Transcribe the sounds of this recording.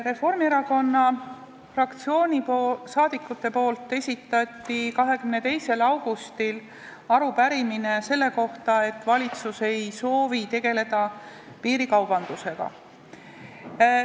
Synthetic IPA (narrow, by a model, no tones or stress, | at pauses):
re̞fo̞rmieɾɑko̞nːɑ | frɑkt̪sio̞ːnʲiposɑːd̪̥ikːˑut̪ːˑe̞po̞ːlt̪ːˑe̞sʲit̪ːˑɑt̪ːˑikɑɦe̞kymne̞t̪e̞jse̞lɑwɡ̥ust̪il | ɑɾupæɾimine̞se̞lːe̞ko̞ht̪ɑe̞t̪ːvɑlʲit̪suse̞jso̞ːvit̪e̞ɡe̞le̞d̪̥ɑ | piːɾikɑwb̥ɑnd̪̥use̞ɡ̥ɑ̰